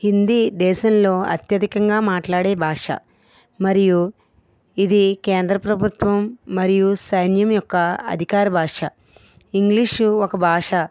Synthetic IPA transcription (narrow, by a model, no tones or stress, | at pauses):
hind̪id̪ɛːʃɐmlo̞ːɐ̰t̪jɐd̪ʱikɐŋɡaːmaːʈlaːɽeːbʱaːʂɐ̰ | mɐɾiju | id̪ikeːnd̪ɾɐpɾɐbʱut̪ʋɐmːɐɾijusɐjnjɐmjɔkːɐɐ̰d̪ʱikaːɾɐbʱaːʂɐ | iŋɡliʂɔkɐbʱaːʂɐ